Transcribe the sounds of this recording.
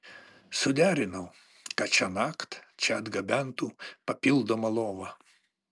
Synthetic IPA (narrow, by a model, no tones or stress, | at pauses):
sʊd̪ʲæːɾʲɪnɐʊ | kɐt͡ʃʲɛnɑːkt̪t͡ʃʲɛɐd̪ɡɐbʲænt̪uːpɐpʲɪlˠd̪omɐlˠoːʋɐ